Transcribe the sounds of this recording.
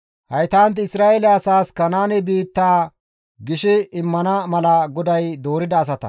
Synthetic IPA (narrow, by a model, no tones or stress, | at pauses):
hɐjt̪aːnt̪̬ɪsɾaːʔelɛɐsaːskɐnaːnɪbiːt̪ːaː | ɡɪʃɪɪmːɐnɐmɐlɐɡɔd̪ɐjd̪oːɾɪd̪ɐːs̬ɐt̪ɐ̰